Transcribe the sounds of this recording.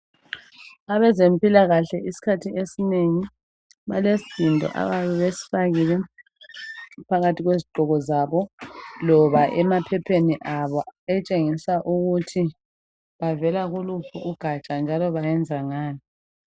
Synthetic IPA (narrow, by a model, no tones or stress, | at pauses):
aβɛzempʼilaɣaɬɛʔisi̥kʰatʰiesineŋi | βa̰lesi̥zindʱɔ̰ʔa̰βaβɛβesi̥faɣilɛ | pʰaɣatʰiɣweziɡ͡ǃʱɔɣɔzaβɔlɔβaʔɛmapʰɛpʰeniʔaβɔɛt͡ʃʼeŋisaʔuɣutʰi | βavɛlaɣulupʰuʔuɡ̥ʱat͡ʃʼand͡ʒʱalɔβajɛnd͡zʱaŋaːni